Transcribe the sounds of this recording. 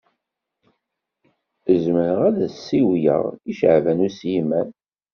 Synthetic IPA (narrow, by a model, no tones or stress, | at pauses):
əzməɾəʁæðæsːiwjə̰ʁiʃʕvænusjimæn